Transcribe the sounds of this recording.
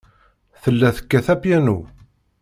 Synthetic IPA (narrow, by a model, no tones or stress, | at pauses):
θəlːæθə̥kːæθæpjænu